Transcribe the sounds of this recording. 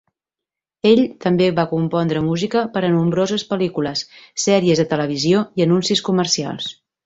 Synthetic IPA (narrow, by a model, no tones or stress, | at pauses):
eʎt̪əmbeβakumpɔnd̪ɾəmuzikəpəɾənumbɾozəspəlikuləsːɛɾiəzðət̪ələβ̞izioiənunsiskuməɾsia̰lˠs